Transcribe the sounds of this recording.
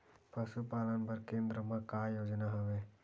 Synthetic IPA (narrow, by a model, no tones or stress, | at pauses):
pəʃupaːlənbəɾkẽːnd̪ɾəmãkajoːd͡ʒnaɦəʋe